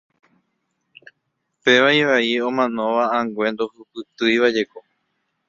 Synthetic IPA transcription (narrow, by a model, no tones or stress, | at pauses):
pe̞ʋaiʋaiõmãnõ̞ʋaãŋɡwẽ̞nd̪ohɨpɨt̪ɨjʋad͡ʒe̞ko